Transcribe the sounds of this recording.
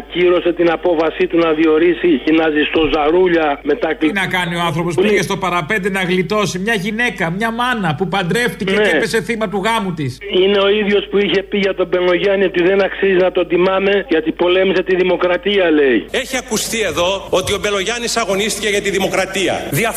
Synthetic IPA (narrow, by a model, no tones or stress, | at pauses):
ciɾo̞se̞t̪inɐpo̞fɐsit̪unɐðio̞ɾisiçinɐzist̪o̞zɐɾuʎɐme̞t̪ɐknɐkɐnioɐnθɾo̞po̞spçest̪o̞pɐɾɐpe̞nd̪enɐɣlit̪o̞simɲɐʝine̞kɐmɲɐmɐnɐpupɐnd̪ɾe̞ft̪iceeiepese̞θimɐt̪uɣɐmut̪isine̞o̞iðʝo̞spuiçe̞piʝɐt̪o̞be̞lo̞ʝɐnio̞t̪iðe̞nɐksiziznɐt̪od̪imɐne̞ʝɐt̪ipo̞le̞mise̞t̪iðimo̞kɾɐt̪iɐle̞ieçiɐkust̪ie̞ðo̞ot̪iobe̞lo̞ʝɐnisɐɣo̞nist̪iceʝɐt̪iðimo̞kɾɐt̪iɐ̰ðiɐ